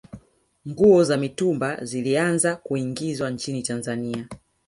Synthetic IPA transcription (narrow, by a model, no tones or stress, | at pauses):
ŋɡuɔzamitumbazilianzakuiŋɡizwant͡ʃinitanzania